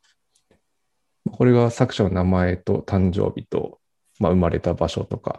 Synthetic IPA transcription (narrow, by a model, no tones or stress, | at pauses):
mako̞ɾe̞ɡasakɯ̟̥ɕanonamae̞t̪o̞̰t̪ãɲ̟d͡ʑo̞̰ːbʲit̪o̞̰ | maɯ̟maɾe̞t̪abaɕo̞̰t̪o̞ka̰